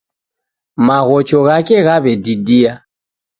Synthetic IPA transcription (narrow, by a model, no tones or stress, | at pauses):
maɣɔt͡ʃɔɣakɛɣaβɛdidia